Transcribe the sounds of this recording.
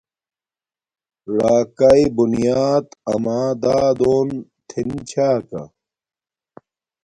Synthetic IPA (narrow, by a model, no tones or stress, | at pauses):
ɽaːkɐibunjaːd̪ɐ̰maːd̪aːd̪oːnt̪ʰint͡ɕʰaːkɐ̰